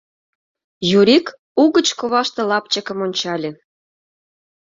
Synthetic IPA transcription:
juɾik | uɣət͡ɕkoβɑʃt̪ĕlɑpt͡ɕəkə̆monʲt͡ɕɑlʲĕ

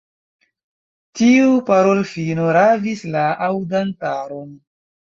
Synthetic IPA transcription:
tiupaɾo̞lfinoɾavislaʔawdantaɾon

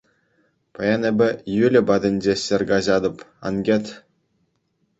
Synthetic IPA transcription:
pɑjɑnebʲɘ̆jylʲɘ̆bɑd̪ʲɘ̆nʲd͡ʑeɕɘrʲɡɑʑɑd̪ɤ̆pɑ̰nɡʲet̪ʲ

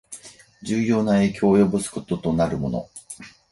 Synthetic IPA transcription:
d͡ʑɨːjo̞ːnae̞ːkʲo̞ːjo̞bɯ̟sɨ̥ko̞t̪o̞t̪o̞naɾɯ̟mo̞̰no̞̰

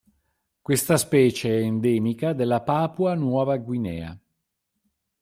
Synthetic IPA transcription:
kwest̪aspɛːt͡ʃeɛːnd̪ɛːmikad̪elːapaːpuanwɔːvaɡwinɛːa̰

